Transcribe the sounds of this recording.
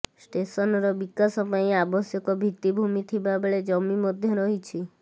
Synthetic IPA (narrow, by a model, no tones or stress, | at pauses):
sʈesɔnɔɾɔbikasɔpãĩabɔsjɔkɔbʱit̪ibʱumit̪ʰibabeɭed͡ʒɔmimɔd̪ʱjɔɾɔɦit͡ʃʰi